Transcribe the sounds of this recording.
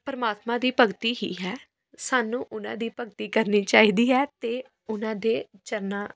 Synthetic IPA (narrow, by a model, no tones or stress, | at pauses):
pəɾəmaːt̪mãːd̪iːpəɡt̪iːɦḭːɦɛː | saːnũːʔʊnã̰ːd̪iːpəɡt̪iːkəɾniːt͡ʃaːiːd̪iːɦɛːt̪eː | ʊnãːd̪eːt͡ʃəɾnaː